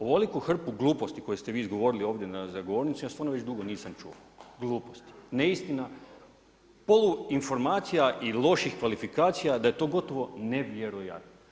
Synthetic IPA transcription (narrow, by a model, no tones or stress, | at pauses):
oʋolikuxr̩puɡlˠuːpo̞st̪iko̞jest̪e̞ʋiːizɡo̞ʋo̞ɾilio̞ːʋd̪jenazaɡoʋo̞ːɾnit̪sumjasʋanoʋet͡ɕd̪uɡo̞niːsamt͡ʃṵo̰ | ɡlˠuːpost̪i̥neist̪ina | po̞luinfo̞ɾmaːt̪sijaʔilˠo̞ʃixkʋalifikaːt̪sijad̪aje̞t̪o̞ːɡo̞t̪o̞ʋo̞ne̞ʋjeɾoja̰t̪no